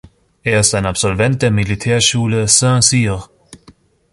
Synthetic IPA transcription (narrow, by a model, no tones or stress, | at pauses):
ʔeːɐɪstaɪnapsɔlvɛnt̚d̥eːɐmilitʰɛːɐʃuːləsɛ̃ːsiːʁ